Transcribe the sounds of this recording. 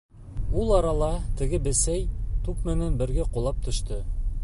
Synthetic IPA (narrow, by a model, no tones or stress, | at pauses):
ulˠɑɾɑlˠɑt̪ɘ̆ɡɘbɘ̆sæjt̪ukmɘ̆nænbɘ̆ɾɡæqulˠɑp̚t̪ʰɵ̆ʃt̪ɤ